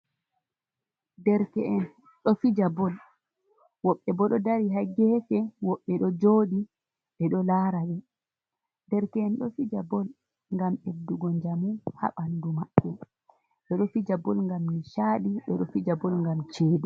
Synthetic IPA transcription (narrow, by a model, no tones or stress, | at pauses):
dɛɾkɛʔɛn | ɗɔfid͡ʒabɔl | wɔɓːɛbɔɗɔdaɾiɦaɡɛfɛwɔɓːɛɗɔd͡ʒoːɗi | ɓɛɗɔlaɾawɛ | dɛɾkɛɛnɗɔfid͡ʒabɔl | ŋɡamedːuɡɔɲd͡ʒamuha̰ɓandumaɓːɛ | ɓɛɗɔfid͡ʒabɔlŋɡamniʃaɗiɓɛɗɔfid͡ʒabɔlŋɡamt͡ʃeːdi